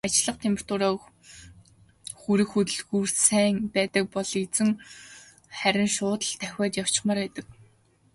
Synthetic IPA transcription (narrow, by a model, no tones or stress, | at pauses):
at͡ɕɪɮə̆qt̪ʰemr̥t̪ʊːɾaː | xuɾɘ̆xut̪ɵ̆ɮɣuːr̥sæːŋpæːt̪ə̆k̚pɔɮet͡sɘ̆ŋ | χæɾʲɪ̆nʃʊːt̪ə̆ɮt̪ʰæxʲaːt̪jaw̥t͡ɕɪ̥̆χmaːrpæːt̪ə̆k̚